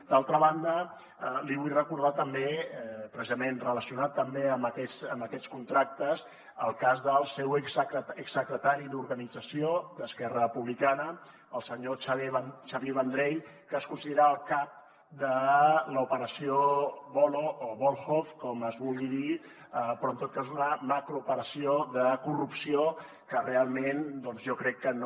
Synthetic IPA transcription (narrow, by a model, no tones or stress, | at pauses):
d̪alˠt̪ɾəβand̪ə | əliβujrəkuɾð̞at̪əmbepɾəsizəmenrələsiunat̪ːəmbeəməkɛsəmbəkɛt͡skunt̪ɾak̚t̪əz | əlˠkazðəlˠsɛwzəksːəkɾət̪aɾiðuɾɣənid͡zəsiod̪əskɛrəpuβlikanə | əlˠsəɲot͡ʃaβt͡ʃaβeβənd̪ɾeʎ | kəːskunsiðeɾaəlˠkap̚ | d̪ələupəɾəsioβɔlooβolˠxofkɔməzβulˠɣiði | əpɾɔnt̪ot̪̚kazunəmakɾuupəɾəsioðəkurupsio | kərealˠmend̪ɔnzʒɔkɾɛkːən